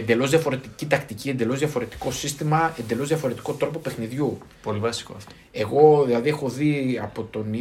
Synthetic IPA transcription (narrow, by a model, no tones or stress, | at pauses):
end̪e̞lo̞zðjɐfo̞ɾe̞t̪icit̪ɐkt̪icie̞nd̪e̞lo̞zðjʝɐfo̞ɾe̞t̪i̥ko̞sist̪imɐe̞nd̪e̞lo̞zðʝɐfo̞ɾe̞t̪i̥ko̞t̪ɾopope̞xniðʝupolivɐsi̥ko̰t̪o | e̞ɣo̞ðilɐðie̞xo̞ðiɐpo̞t̪o̞ni